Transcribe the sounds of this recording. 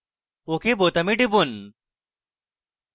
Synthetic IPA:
okeboːt̪ɐmiɖibun

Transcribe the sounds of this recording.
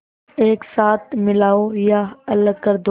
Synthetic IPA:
eːksaːt̪̚ʰmɪlaːojaɐləkəɾd̪

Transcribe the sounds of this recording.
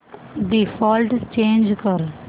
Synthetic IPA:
d̪ifɔːlʈst͡ʃẽːnd͡ʒkəɾ

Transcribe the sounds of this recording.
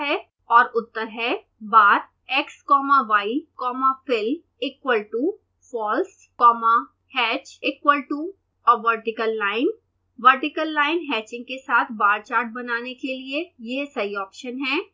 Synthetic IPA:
ɦɛ | ɔːɾʊt̪ːəɾɦɛ | baːɾ | ɛkskɔːmaʋaːikɔːmafɪl | ɪkwəlʈu | fɔːls | kɔːma | hɛːt͡ʃɪkwəlʈu | ɔːɾʋəɾʈɪkəlːaːɪn | ʋəɾʈɪkəlːaːɪnɦɛːt͡ʃɪ̃ŋɡkesaːt̪ʰbaːɾt͡ʃaːɾʈ̚bɐnaːnekeliejesɐɦiɔːpʃənɦɛː

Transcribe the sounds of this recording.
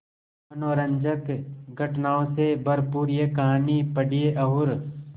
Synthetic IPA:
ɐnoːɾə̃ɲd͡ʒəkɡʱɐʈnaːõsebʱɐɾpuːɾjekaɦaːnipɐɽijeʔɐɦʊɾ

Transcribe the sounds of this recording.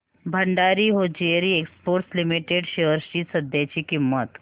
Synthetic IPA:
bʱɐɳɖaːɾiɦod͡ʒeɾieːkspoːɾʈslɪmiʈeɖʃeʋəɾʃisɐd̪jeːt͡ʃikimət̪

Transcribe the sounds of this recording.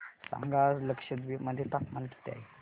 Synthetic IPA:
sa̰ŋɡaɾləkʂəd̪ʋiməd̪ʱːjet̪akmalkʰi̥t̪ea̰ɦi

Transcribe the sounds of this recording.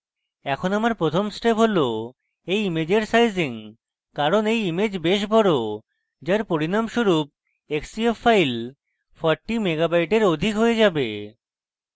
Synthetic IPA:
ɛkʰonamaɾpɾot̪ʰomsʈepɦolo | ejimed͡ʑeɾsajziŋ | kaɾonejimed͡ʑbeʃbʱɔɾo | d͡ʑaɾpoɾinamʃuɾup̚ | eksiefːajl | fʰɔɾʈːimeɡabajʈeɾod̪ʱikɦoed͡ʑabe

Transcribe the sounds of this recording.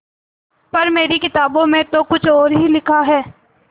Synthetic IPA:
pɐɾmeːɾikɪt̪aːbõmẽt̪okʊt͡ʃʰɔːɾɦilɪkʰaɦɛː

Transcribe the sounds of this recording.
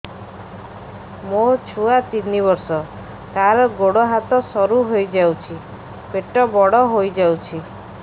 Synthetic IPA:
mot͡ʃʰuat̪inibɔɾsɔ | t̪aɾɔɡoɽɔɦat̪ɔsɔɾuɦojd͡ʒawt͡ʃʰi | peʈɔbɔɽɔɦojd͡ʒawt͡ʃʰi

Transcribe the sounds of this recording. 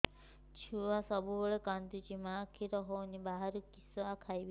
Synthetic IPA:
t͡ʃʰuʋasɔbuɔɭekand̪ut͡ʃimaːkʰiɾɔɦoːnibaɦaɾukisɔakʰajb

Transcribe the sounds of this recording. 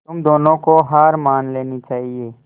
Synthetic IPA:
t̪ʊmd̪oːnõkoɦaːɾmaːnleːnit͡ʃaːɦieː

